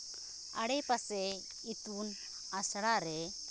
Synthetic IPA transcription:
aɽɛpasɛ | it̪un | asɽaɾɛ

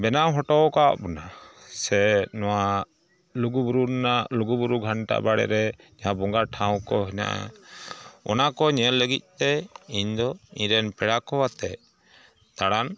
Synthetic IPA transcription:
bɛnaɦɔʈɔwka̰ʔbɔnasɛnɔwa | luɡubɾunaluɡubuɾuɡʱaɳʈa̰ʔbaɽɛ̰ɾɛɲaɦãbɔŋɡaʈʰãw̃kɔɦina̰ʔa̰ | ɔ̰nakɔɲɛlːəɡic̪̚ˀt̪ɛiɲd̪ɔiɲɾɛnpɛɽakɔwat̪ɛ | t̪aɽan

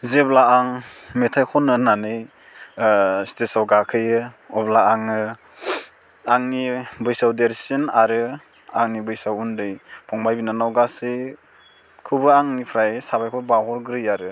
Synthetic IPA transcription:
zeblaːŋmetʰajkʰɔnɯnanɯj | stesawɡakʰɯjɯɔblaaŋɯ | aŋnibɯjsawdeɾsinaɾɯ | aŋnibɯjsawundɯjpʰɔŋbajbinanawɡasɯ | kʰubɯaŋnipʰɾajsabajkʰɔbawɦɔɾɡɾɯjaɾɯ

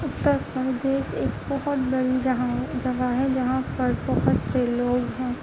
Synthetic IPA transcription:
ʊt̪ːəɾpəɾd̪eːʃeːkbɔɦɔt̪bɐɽid͡ʒɦãd͡ʒɐʋaɦɛ̃d͡ʒɐɦãpɐɾbɔɦɔt̪seloːɡɦɛ̃ː

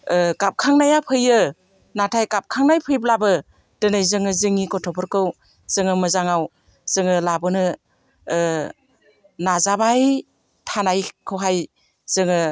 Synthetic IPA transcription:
ɡap̚kʰaŋnajapʰɯjɯ | natʰajkap̚kʰaŋnajpʰɯjb̬labɯ | d̥ɯnɯjzɯŋɯzɯŋikɔtʰɔpʰɔɾkɯw | z̥ɯŋɯmɯzaŋaw | z̥ɯŋɯlabɯnɯ | nazabaj | tʰanajkʰɯwɦaj | z̥ɯŋɯ

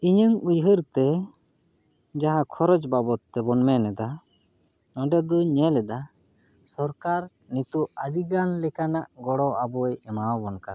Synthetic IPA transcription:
iɲəŋujɦəɾt̪ɛ | d͡ʒaɦãkʰɔɾɔd͡ʒbabɔt̪ːɛbɔnmɛnɛd̪a | ɔɖɛd̪ɔɲɛlɛd̪a | sɔɾkaɾ | nit̪uad̪iɡanlɛkanaʔɡɔɽɔʔabɔjɛmawbɔnka

